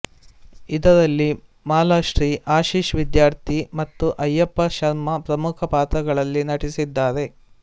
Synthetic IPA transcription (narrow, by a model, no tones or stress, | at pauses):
id̪ɐɾɐlːi | maːlaːʃɾiːʔaːʃiːʃʋid̪jaːɾt̪ʰimɐt̪ːuʔɐjːɐpːɐʃɐɾmɐpɾɐmukʰɐpaːt̪ɾɐɡɐɭɐlːinɐʈisid̪ːaːɾe̞